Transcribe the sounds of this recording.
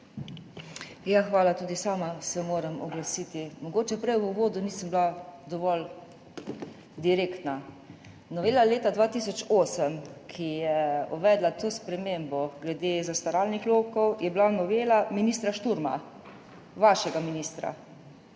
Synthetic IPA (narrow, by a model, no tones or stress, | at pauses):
jaxʋaːlat̪uːd̪isaːmasɛmoːɾəmɔɡlasiːt̪imɔɡoːt͡ʃɛpɾɛjuʋoːd̪uniːsəmblad̪ɔʋɔl | d̪iɾeːkt̪na | nɔʋeːlaleːt̪ad̪ʋaːt̪isɔt͡ʃoːsəmkʰijɛuʋɛd̪lat̪oːspɾɛmembɔɡlɛd̪eːzast̪aɾaːlnixloːkɔwjɛblanɔʋeːlaminiːst̪ɾaʃt̪uɾma̰ | ʋaʃɛɡaminiːst̪ɾa̰